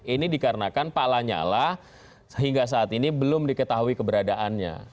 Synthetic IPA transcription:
inidikaɾənakanpalaɲa̰lah | səɦiŋɡas̬aːt̪inibəlʊmdikət̪aɦuikəbəɾadaʔanɲa̰

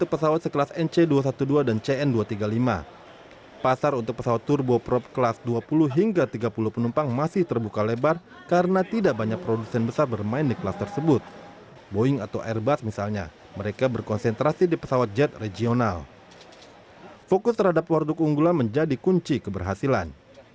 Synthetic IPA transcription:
ut̪ʊk̚pəsawat̪̚səkəlasɛnt͡ʃeduas̬at̪uduadant͡ʃeɛnduat̪iɡalima̰ | pasaɾunt̪ʊk̚pəsawat̪ːurbopɾɔp̚kəlasduapulʊɦiŋɡat̪iɡapuluhpənumpaŋmasɪht̪ərbukalebar | kaɾənat̪idaʔbaɲak̚pɾodusɛnbəsarbərmaɪndiklast̪ərsəbʊt̪̚ | boɪŋat̪awʔɛrbasmisalɲa̰ | məɾekabərkɔnsɛnt̪ɾasidipə̥sawat̪̚d͡ʒɛt̪red͡ʒional | fokʊst̪əɾrhadapwardʊkuŋɡulanməɲd͡ʒadikuɲt͡ʃikəbərɦasilan

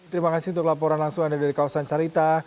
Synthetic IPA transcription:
t̪əɾimakasint̪ʊklapɔɾanlaŋsʊŋadadaɾikawasant͡ʃaɾit̪a

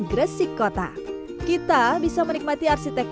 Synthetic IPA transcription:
ɡɾəsikːɔt̪a̰ | kit̪abisamənik̚mat̪iarsit̪ɛk

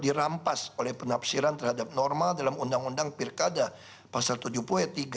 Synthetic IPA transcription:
diɾampasolɛhpənapsiɾant̪ərhadap̚nɔrmadalamundaŋundaŋpirkada | pasalt̪ud͡ʒupuɛt̪iɡa

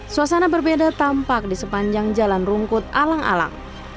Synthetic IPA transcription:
suasanabərbedat̪ampak̚disəpaɲd͡ʒaŋd͡ʒalanruŋkʊt̪̚alaŋa̰la̰ŋ

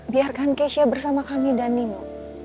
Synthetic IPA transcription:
biarkankeʃiabərsamakamidanimu

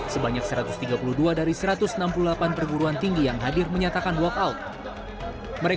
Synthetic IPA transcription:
səbaɲak̚səɾat̪ʊst̪iɡapuluduadaɾisəɾat̪ʊsənampululapanpərɡuɾuant̪iŋɡijaŋɦadɪrməɲat̪akanbwɔkaʊt̪̚ | məɾe

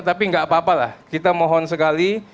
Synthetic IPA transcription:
t̪apiəŋɡaʔapaːpala̰hkit̪amɔɦɔnsəkali

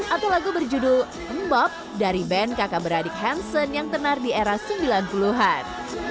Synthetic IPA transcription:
ʔat̪awlaɡubərd͡ʒudu | əmbɔp̚ | daɾibɛnkakabəɾadɪk̚ɦɛnsənjaŋt̪ənardieɾasəmbilanpuluɦan

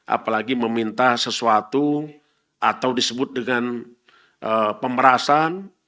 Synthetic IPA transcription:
ʔa̰palaɡiməmint̪ahsəsuat̪u | ʔat̪awdisəbʊt̪̚dəŋan | əpəmbəɾasan

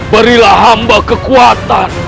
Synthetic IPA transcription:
bəɾilaɦambakəkuat̪an

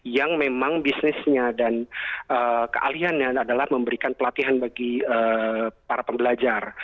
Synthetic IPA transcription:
jaŋmemaŋbisnɪsɲadanʔəkə̰ʔa̰liɦanɲaːdalahməmbəɾikanpəlat̪iɦanbaɡiəpaɾapəmbəlad͡ʒar

